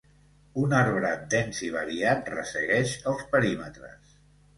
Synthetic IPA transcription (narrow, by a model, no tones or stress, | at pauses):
unaɾβɾəd̪ɛnziβ̞əɾiat̪̚rə̰sə̰ɣɛʃəlˠspəɾimət̪ɾə̰s